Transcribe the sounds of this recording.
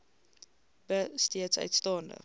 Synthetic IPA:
b̥əsteətsœ̰ɥtstɑːndə̰

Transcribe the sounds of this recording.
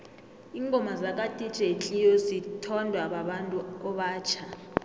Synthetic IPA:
iŋɡʱɔmazak̬ʼatʼi̥t͡ʃʼet͡ɬʼijɔzitʰɔndʱwaɓaɓantʼuɔɓaːt͡ʃʰa

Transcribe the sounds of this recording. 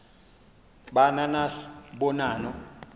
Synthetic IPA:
ɓananasɓɔnaːnɔ

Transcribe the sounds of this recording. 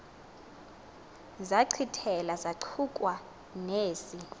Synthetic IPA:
zaǀʰitʰɛlazaǀʰukʼwa | neːsi

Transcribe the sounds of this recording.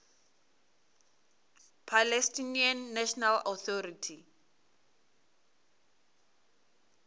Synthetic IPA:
pʰalɛstʼinianːɛʃɔnalɔθʰɔritʰi

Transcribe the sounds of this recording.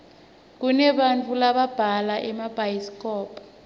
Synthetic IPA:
k̬unɛɓant͡fʰʼulaɓab̥ʱalaʔɛmab̥ʱajiskʰʼɔːpʰʼɔ

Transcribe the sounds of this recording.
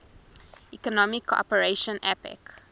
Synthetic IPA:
ikɔnɔmikʰɔ̰pəɹeʃə̃nɛpɛ̰k

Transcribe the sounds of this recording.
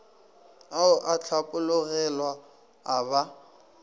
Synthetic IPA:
aʊʔat͡ɬʰapʼʊlʊɣɛlwaː | βa

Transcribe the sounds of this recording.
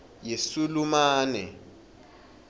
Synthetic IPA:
jesulumaːnɛ

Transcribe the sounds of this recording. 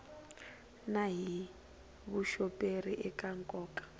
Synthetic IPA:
naɦi | βuʃɔpʼeriʔɛkʼaŋkʼɔːkʼḁ

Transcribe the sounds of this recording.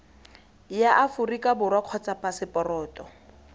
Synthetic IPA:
jaʔafʊrikʼabʊrwakʰɔt͡sapʼasɪpʼɔrɔːtʼɔ

